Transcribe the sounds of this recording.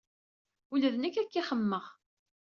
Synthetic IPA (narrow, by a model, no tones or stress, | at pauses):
uləðənækːækːiχəmːəʁ